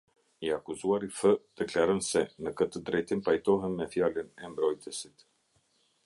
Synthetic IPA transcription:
iakuzuaɾiθəd̪̥ɛklaɾənsɛnəkət̪əd̪ɾɛjt̪impajt̪ɔɦɛnːɛfjalinɛmbɾɔjt̪ɛsit̪

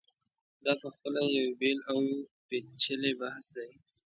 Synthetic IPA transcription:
d̪ɑpəxpəlajawbelawpet͡ʃəlebahsd̪aj

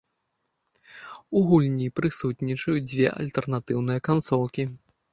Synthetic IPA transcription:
uɣulʲnʲipɾɨsut̪nʲit͡ʂɐjud͡zʲvʲɛ̰ʔɐ̰lʲt̪ɛrnat̪ɨwnɨjɐkant̪sɔwkʲi

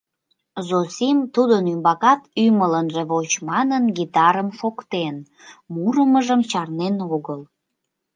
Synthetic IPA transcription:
zosimt̪ud̪ənymbɑkɑt̪ymələnʒeβot͡ɕmɑnənɡit̪ɑɾəmʃokt̪en | muɾəməʒəmt͡ɕɑrnenoɣəl

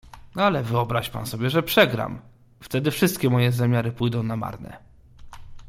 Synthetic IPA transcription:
nalɛvɘɔbɾaɕpa̰nsɔbʲjɛʐɛpʂɛɡɾa̰m | ft̪ɛd̪ɘfʂɘst̪̚kʲɛmɔjɛzamʲjaɾɘpujd̪ɔ̃w̃nama̰ɾnɛ̰

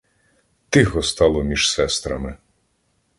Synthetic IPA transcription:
t̪ɪxɔst̪ɑlˠɔmʲiʒ̥sɛst̪ɾɐmɪ

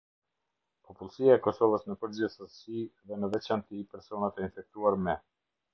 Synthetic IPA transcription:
pɔpulˠsiaɛkɔsɔvəsnəpəɾd͡ʑɛsəsiðɛnəvɛt͡ʃant̪ipɛɾsɔnat̪ɛinfɛk̚t̪uaɾmɛ

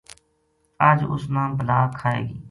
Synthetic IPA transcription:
əːd͡ʒʊ̰snãːmbəlaːkʰaːḛːɡiː

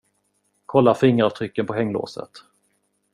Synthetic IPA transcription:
kʰɔlːafɪŋːəɾɑvt̪ʰɾʏkːənpʰɔɦɛŋːlo̰ːsə̰t̪

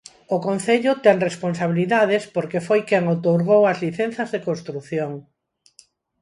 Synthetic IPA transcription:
okõnθeʎʊt̪ɛŋrespons̬aβ̞iliðað̞ɪspoɾkefojkɛŋowt̪oɾɣ̞owɐzliθen̟θɐzðekõnst̪ɾuθjoŋ

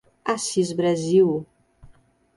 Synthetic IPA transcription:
asizbɾaziw

